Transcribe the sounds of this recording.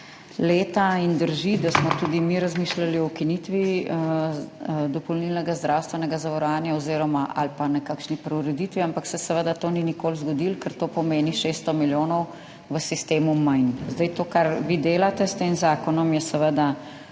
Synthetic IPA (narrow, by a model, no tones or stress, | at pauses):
leːt̪aind̪əɾʒid̪asmɔt̪ud̪imiɾɐzmiːʃlaliɔkinit̪ʋiə | d̪ɔpɔwnilnɛɡazd̪ɾawst̪ʋɛnɛɡazaʋɐɾɔʋaːnjaɔziːɾɔmaʔa̰lpanɛkakʃnipɾɛuɾɛd̪it̪ʋiampaksɛsɛʋəd̪at̪oːninikoːlzɡɔd̪ilkəɾt̪oːpɔmeːniʃeːst̪ɔmiljoːnɔw | ʋəsist̪eːmumajnzd̪ajt̪oːkaɾʋid̪eːlat̪ɛst̪eːmzaːkɔnɔmjɛsɛʋəd̪a